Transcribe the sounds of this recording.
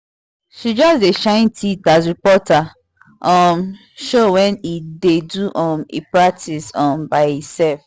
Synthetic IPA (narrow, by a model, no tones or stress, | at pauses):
ʃid͡ʒɔsdeʃãɪ̃ntʰitasɹipɔta | ʔɔm | ʃowɛ̃nideduʔɔmḭpɹak̚tʰisɔ̃mbaɪitsɛlf